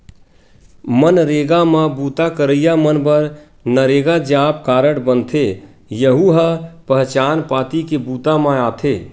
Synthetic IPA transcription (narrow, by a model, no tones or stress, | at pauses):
mənɾeːɡamãbuːt̪akəɾəjamənbəɾ | nəɾeːɡad͡ʒaːp̚kaːɾəɽbənt̪ʰe | jəɦuɦəpəɦt͡ʃaːnpaːt̪ikebuːt̪amãaːt̪ʰeː